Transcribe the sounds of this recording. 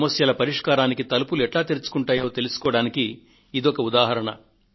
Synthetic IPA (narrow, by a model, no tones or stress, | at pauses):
mɐsjɐlɐpɐɾiʂkaːɾaːnikit̪ɐlupuluɛʈlaːt̪iɾut͡ʃu̥kuɳʈaːjo̞ːt̪e̞lusu̥kɔːɐɽaːnikiː | d̪iɔkɐud̪aːɦɐɾɐɳɐ̰